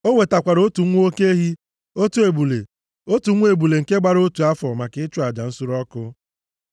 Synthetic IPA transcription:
o˦ŋʷe˨ta˨kʷa˨ɾo˦tu˨˦ŋʷ˦o˦ke˦ɦi˦ | o˦tu˨˦e˨bu˨le˨ | o˦tu˨˦ŋʷ˦e˨bu˨le˨ŋ̩˨ke˦ɡ͡ba˦ɾo˦tu˨a˦fɔ˨ma˨kɪ˦ɪ˦t͡ʃʊ˦a˨d͡ʒa˨n̩˦su˦ɾɔ˦kʊ˦

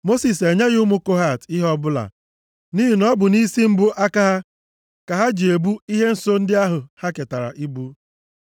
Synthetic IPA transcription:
mo˦si˨se˨ɲe˦ɣʊ˦mʊ˦ko˦ɦa˦˨tɪ˦ɦɔ˦bʊ˦la̰˨ | ni˦ɦi˨nɔ˦bʊ˨ni˦si˦m̩˦bʊ˦ʔa˦ka˦ɦa˦ | ka˨ɦa˦d͡ʒi˨e˨bu˦i˦ɦe˦n̩˦so˦n̩˦dɪ˦a˦ɦʊ˨ha˦ke˨ta˨ɾa̰˨ʔi˦bu˦

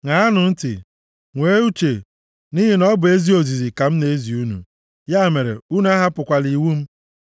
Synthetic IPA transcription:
ŋa˨a˦nʊ˨n̩˦tɪ̰˨ | ŋʷe˦u˦t͡ʃe˨ | ni˦ɦi˨nɔ˦bʊ˨e˦zi˦o˨zi˨zi˨ka˨m̩˦ne˦e˦zi˨u˦nṵ˨ | ja˦˨me˨ɾḛ˨u˦n˦a˦ɦa˦pʊ˨kʷa˨li˨wu˦m̩˦

